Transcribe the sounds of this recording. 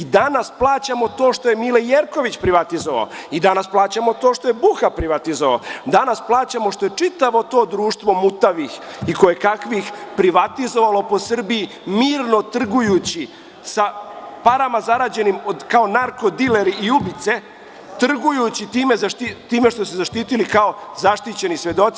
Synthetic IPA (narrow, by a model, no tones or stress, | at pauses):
id̪anasplˠaːt͡ɕamo̞t̪o̞ːʂt̪oje̞milejeɾko̞ʋit͡ɕpɾiʋat̪izoʋa̰o̰id̪anasplˠaːt͡ɕamo̞t̪o̞ːʃt̪o̞jebuxapɾiʋat̪izoʋa̰od̪anasplˠaːt͡ɕamo̞ʂt̪o̞je̞t͡ʂit̪aʋo̞t̪o̞ːd̪ɾuːʂt̪ʋo̞mut̪aʋixiko̞jekakʋixpɾiʋat̪izo̞ʋalo̞po̞sr̩bii | miːɾno̞t̪r̩ɡujut͡ɕi | sapaɾamazaɾaːd͡ʑe̞nimod̪kaonaɾko̞d̪ileɾiiubit̪se̞ | t̪r̩ɡujut͡ɕit̪iːmezaʃt̪it̪iːmeʃt̪osuzaʃt̪iːt̪ilikao̞zaʃt̪it͡ɕe̞nisʋe̞d̪o̞t̪